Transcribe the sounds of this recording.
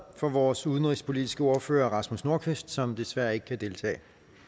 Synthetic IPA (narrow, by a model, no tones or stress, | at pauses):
fɒ̽ʋɒːsuðˠnʁispʰo̝lid̥isɡ̥əo̝ɐfø̰ːɐʁɑ̈smusno̝ɐ̰kʰʋesd̥sɒ̽md̥e̝sʋæɐ̰e̝ɡ̥ə̥kʰæd̥e̝lt͡sʰɛ̰ːɪ